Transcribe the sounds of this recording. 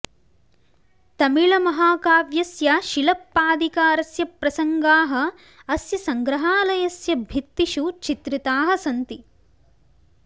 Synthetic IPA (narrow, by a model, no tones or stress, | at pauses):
t̪ɐmiɭɐmɐɦaːkaːʋjɐsjɐʃilɐpːaːd̪ʱikaːɾɐsjɐpɾɐsɐŋɡaːɦɐ̆ | ɐsjɐsɐŋɡɾɐɦaːlɐjɐsjɐbʱit̪ːiʃut͡ʃit̪ɾit̪aːɦɐsɐnt̪i